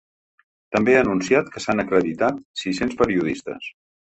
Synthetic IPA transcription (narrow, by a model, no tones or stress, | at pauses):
t̪əmbeaːnunsiat̪kəsanəkɾəðit̪at̪sisenspəɾiuðḭst̪ə̰s